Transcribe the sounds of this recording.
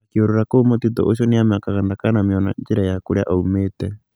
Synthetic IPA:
kioɾoɾakoumot̪it̪ɔ̰ʔoʃ̬ɔniamakaɣandakanamjɔna̰ɲd͡ʒiɾajakoɾea̰ʔaumeːtɛ

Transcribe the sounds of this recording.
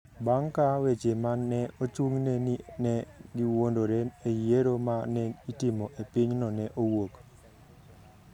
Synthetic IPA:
baŋkawet͡ʃemanːɛot͡ʃuŋnɛnɛɡiwondoɾɛejeɾomanɛitimoʔepiɲnɔnɛʔowok

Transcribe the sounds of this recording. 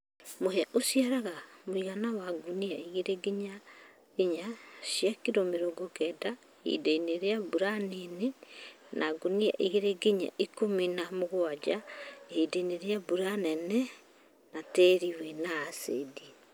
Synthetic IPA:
mohɛaʔosiaɾaɣamoiɣanawaɡuniaiɣeɾeɡiɲa | ɣeɲaʃjakiɾomeɾoɡokɛda | ḭdeineɾeabuɾanenenʔaɡunia̰ʔiɣeɾeɡiɲa̰ʔikomenamoɣwad͡ʒaeideneɾeabuɾanɛnɛ | natɛɾiwenaːsḛdi

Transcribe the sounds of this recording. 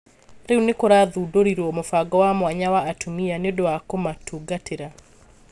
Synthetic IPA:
ɾeunekoɾaðuːdoɾiɾwɔmofaɡɔwamwaɲawaːtʰumianeodowakomatʰuːɡatʰeɾa

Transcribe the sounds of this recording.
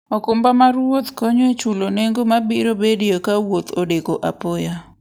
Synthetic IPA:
ɔkʊmbamaɾwot̪koɲoet͡ʃuloneŋɡomabiɾobediokawot̪odekoʔa̰poja

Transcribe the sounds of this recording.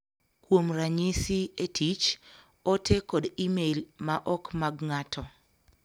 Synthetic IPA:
kwomɾaɲisietʰit͡ʃ | ɔtʰekɔdimelmaʔɔkmaɡŋatʰɔ

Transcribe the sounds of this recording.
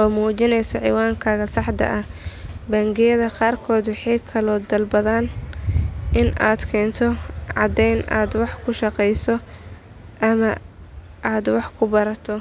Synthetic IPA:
ʔɔːmuːt͡ʃɪnɛjsɔʕḭwaːŋkʰaːɣɐsɑħd̪ɐ̰ʔɐhbɐŋɡɪjɐðɐqɑːrkʰɔːd̪wɑħɑjkʰɐlɔːd̪ɐlbɐðaːn | ʔɪnʔaːd̪kʰɛːnt̪ʰɔʕɑd̪ɛjnʔaːd̪wɑħkʰʊʃɑqɛjsɔ | ʔɐmɐ | ʔaːd̪wɑħkʰʊbɐɾɐt̪ʰɔ

